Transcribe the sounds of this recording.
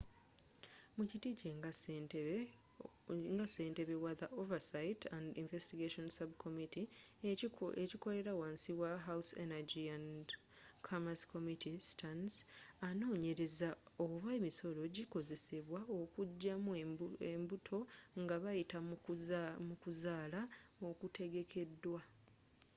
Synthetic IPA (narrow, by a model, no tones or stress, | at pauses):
mucitice | ŋɡase̞ːnte̞βe̞waðaʔovasaitandiɱvestiɡeʃonsabkʰomiti | eciko̞ɾe̞ɾawaːnsiwaɦawsḛnaɟiand | kʰamaskʰo̞mitʰistʰansano̞ːɲe̞ɾe̞zaoβwemiso̞ɾo̞ɟiko̞ze̞se̞βwaokuɟːamwembutʰo̞ŋɡaβajita | mukuzaːlaokute̞ɡe̞kʰe̞dːwa